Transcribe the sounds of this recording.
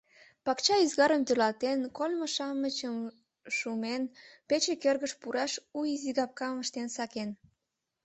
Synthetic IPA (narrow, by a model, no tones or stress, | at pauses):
pɑkt͡ɕɑizɣɑɾəmt̪ølɑt̪enkolʲməʃɑmət͡ɕəm | ʃumenpet͡ɕekørɣəʃpuɾɑʃuiziɣɑp̚kɑməʃt̪ensɑken